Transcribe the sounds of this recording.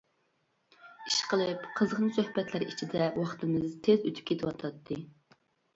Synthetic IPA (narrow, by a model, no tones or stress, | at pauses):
i̥ʃqəlˠɨpqʰəzʁnɨsøhbɛt̪ʰlæɾit͡ʃʰid̪ɛwɑχt̪ɨmɨzt̪ʰezøt̪ʰy̥p̚kʲʰet̪ʰɪwɑt̪ʰɑt̪ʰːɨ